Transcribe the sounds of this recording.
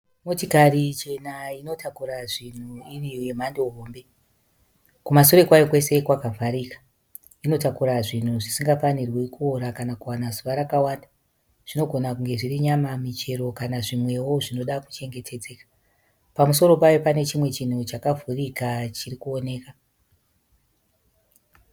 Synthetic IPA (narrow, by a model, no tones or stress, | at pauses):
motikarit͡ʃe̞naino̞takuɾaʐin̤uiriojem̤andoɦoːmbe̞ | kumasoɾe̞kwajokwe̞se̞kwakavʱaɾikḁ | ino̞takuɾaʐin̤uʐisiŋɡafanirwekuoɾakanakuwanazuʋaɾakawaːnda | ʐ̥ino̞ɡʱo̞nakuŋɡe̞ʐiriɲamamit͡ʃe̞ɾo̞kanaʐimwe̞wo̞ʐino̞ɗaku̥t͡ʃe̞ŋɡe̞tʰe̞d͡ze̞ːkḁ | pamuso̞ɾo̞pajopane̞t͡ʃimwe̞t͡ʃin̤ut͡ʃakavʱurikat͡ʃirikuo̞ne̞ːka